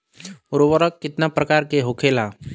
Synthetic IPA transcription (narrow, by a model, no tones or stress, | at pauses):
ʊɾowəɾəkːɪt̪napɾəkaːɾkeɦokʰela